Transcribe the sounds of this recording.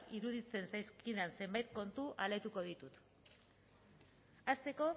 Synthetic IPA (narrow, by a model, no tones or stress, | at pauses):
iɾuðit͡se̞nsajskiðeanse̞mbajt̪̚ko̞nt̪uʔalet̪uko̞ð̞it̪ut̪ | ast̪e̞ko̞